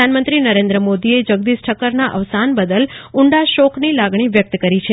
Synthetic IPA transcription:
anmə̃nt̪ɾinəɾẽnd̪ɾəmod̪ied͡ʒəɡ̚d̪isʈʰəkəɾnaʔəʋsanbəd̪əlʊɳɖaʃokʰnilaɡɳ̃iʋjək̚t̪kəɾit͡ʃʰe

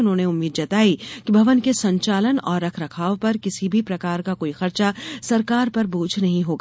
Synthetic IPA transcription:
ʊnɦõːneʊmːiːd̪d͡ʒɐt̪aːikibʱɐʋənkesɐ̃ɲt͡ʃaːlənɔːɾːɐkʰɾɐkʰaːopɐɾkɪsibʱipɾɐkaːɾkakoːixɐɾt͡ʃasɐɾkaːɾpɐɾbuːd͡ʒʱʰnɐɦĩɦoːɡa

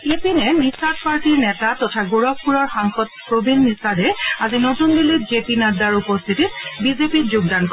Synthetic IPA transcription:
epinɛnisad̚paɹtiɹnɛtatɔtʰaɡuɹɔk̚puɹɔɹxaŋxɔd̚pɹobinːisadɛazinotundilotzepinadaɹupɔst̪ʰititbizepitzʊɡ̚dankɔ

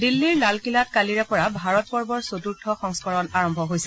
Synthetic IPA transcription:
dilːiɹlalkilat̚kaliɹɛpɔɹabʱaɹɔt̚pɔɹbɔɹsotuɹtʰɔxɔŋskɔɹɔnaɹɔmbʱɔɦojsɛ

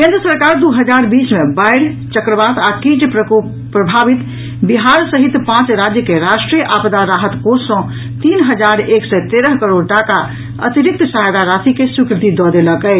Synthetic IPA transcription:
kẽnd̪ɾəsəɾkaɾd̪uɦəd͡ʒaɾbismebajɽ | t͡ʃəkɾəbat̪akĩt͡ʃp | pɾəbʱabit̪ | biɦaɾsəɦit̪pãt͡ʃɾad͡ʒjəkeɾaʃʈɾijʔapd̪aɾaɦət̪kosɔ̃ | t̪inɦəd͡ʒaɾeksɛt̪eɾəɦkəɾoɽʈaka | ə̰t̪iɾik̚t̪sajd̪aɾat̪ʰikesukɾɪt̪id̪ɔd̪eləkə

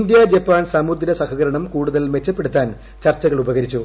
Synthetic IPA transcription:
ind̪jɐd͡ʑɐpːaːnsamuɾd̪iɾɐsɐhɐɣɐɾɐɳɐmkuːɽuðɐlme̞t͡ɕːɐpːe̞ɽut̪ːaːn | t͡ɕɐrt͡ɕːɐɣɐɭubɐɣɐɾit͡ɕːu

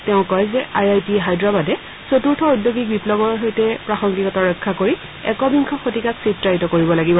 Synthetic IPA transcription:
tɛʊ̃kɔjzɛʔajajtiɦajdɹabadɛ | sotuɹtʰɔudjoɡik̚biplɔɡɔɹɦojtɛpɹaxɔŋkikɔtaɹɔkʰːakoɹi | ɛ̰kɔbiŋkʰɔxotikaksitɹaɹitɔkoɹibɔlaɡibɔ

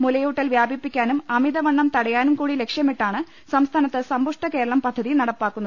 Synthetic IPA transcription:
mulɐjuːʈːɐlʋjaːbʱipːikʲːaːnumɐmiðɐʋɐɳːɐmt̪ɐɽɐjaːnumkuːɽile̞kʂjɐmiʈːaːɳɨ | sɐmst̪ʰaːnɐt̪ːɨsɐmbuʂʈɐke̞ːɾɐɭɐmpɐd̪ʱːɐðinɐɽɐpːaːkːunːɐð

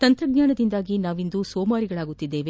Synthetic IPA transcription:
t̪ɐnt̪ɾɐɡɲaːɳɐd̪ind̪aːɡinaːʋind̪usoːmaːɾiɡɐɭaːɡut̪ːid̪ːe̞ːʋe

